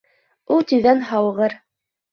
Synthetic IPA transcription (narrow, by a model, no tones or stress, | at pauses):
ulˠt̪ɵ̆ðænɦɑwʁɤɾ